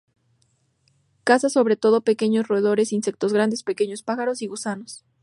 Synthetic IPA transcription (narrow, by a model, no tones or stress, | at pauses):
kasaso̞βɾe̞t̪o̞ð̞o̞pe̞ke̞ɲosroeðo̞ɾe̞sinse̞k̚t̪o̞zɣɾand̪e̞speke̞ɲo̞spaxaɾo̞siɣusanos